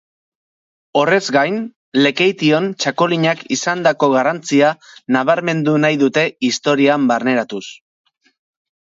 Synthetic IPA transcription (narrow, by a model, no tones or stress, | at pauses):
o̞re̞zɡajn | le̞ke̞jt̪io̞nt͡ʃako̞liɲakisand̪ako̞ɣarant͡sianaβ̞aɾme̞nd̪unajðut̪e̞ist̪o̞ɾiambarne̞ɾat̪us